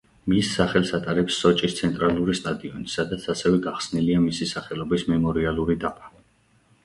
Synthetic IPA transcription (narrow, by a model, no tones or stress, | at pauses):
misːaχɛlˠsat̪ʼaɾɛpsːɔt͡ʃʼist̪sʰɛnt̪ʼɾalˠuɾist̪ʼad̪iɔnisad̪at̪sʰasɛvɛɡaχsniliamisisaχɛlɔbismɛmɔɾialˠuɾid̪apʰʼḁ